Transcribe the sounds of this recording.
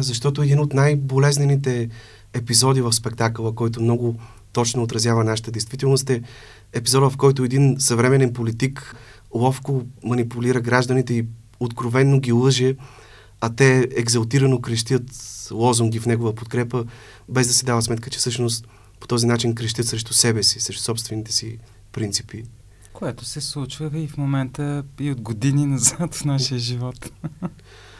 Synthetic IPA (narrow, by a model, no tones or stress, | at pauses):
zɐʃt̪ɔt̪ʊɛd̪inot̪najbolɛznɛnit̪ɛː | pizɔd̪ivəfspɛkt̪aklˠəkɔjt̪omnɔɡʊ | t̪ɔt͡ʃnoot̪ɾɐzjavənaʃə̥t̪əd̪ɛjst̪vit̪ɛlˠnost̪ɛ | ɛpizɔd̪vɐfkɔjt̪ʊɛd̪insɐvɾɛmɛnɛnpolit̪ik | lˠɔfkomɐnipuliɾəɡɾaʒd̪ənit̪ɛi | ot̪kɾovɛnːoɡʲilˠɤʒɛ | ɐt̪ɛɛɡzɐlˠt̪iɾɐnokɾɛʃt̪ʲət̪lˠɔzuŋɡifnɛɡovəpot̪kɾɛpə | bɛzd̪ɐsɛd̪avəsmɛt̪kət͡ʃɛ̥fsɤʃnos̬t̪ | po̥t̪ɔzinat͡ʃinkɾɛʃ̬t̪jət̪sɾɛʃt̪usɛbɛsi̥sɾɛʃt̪usɔpst̪vɛnit̪ɛ̥si | pɾint̪sipi | koɛt̪osɛslˠut͡ʃvəifmomɛnt̪əiod̪ɡod̪ininɐzat̪fnaʃijəʒivɔt̪